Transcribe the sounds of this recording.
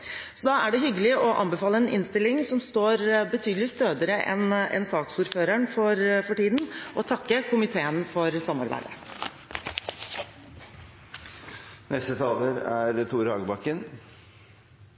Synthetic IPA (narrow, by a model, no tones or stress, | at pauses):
sɔd̪ɑːʔæɖɛɦʏɡəlɪʔɔʔɑ̰mbəfɑːlːəɛnɪnst̪ɪlːɪŋsɔmst̪oːɾbət̪ʰyːd̪lɪst̪øːd̪əɾəʔɛ̰nɛ̰nsɑːksuɾføːɾæɳfɔɾfɔʈiːd̪n̩ʔɔt̪ʰɑkːəkʊmɪt̪ʰeːənfɔɾsɑmɑ̰ɾbæ̰ɪd̪ə̰ | nɛst̪ət̪ʰɑːləɾæɾt̪ʰuːɾhɑːɡbɑkːən